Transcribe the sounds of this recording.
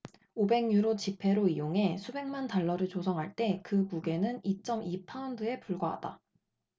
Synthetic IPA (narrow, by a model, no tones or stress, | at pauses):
obe̞ŋɲuɾot͡ɕipʰe̞ɾoijoŋɦe̞sʰube̞ŋmantaɭːʌɾɯɭt͡ɕosʰʌŋɦaɭt͈e̞kɯmuɡe̞nɯnit͡ɕ͈ʌmipʰaʌndɯe̞puɭɡaɦa̰d̥a̰